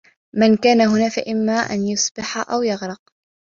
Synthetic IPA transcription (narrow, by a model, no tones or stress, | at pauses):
mankaːnaɦʊnaːfaʔɪmːaːʔa̰njʊsbɪħaʔawjɑɣɾɑq̚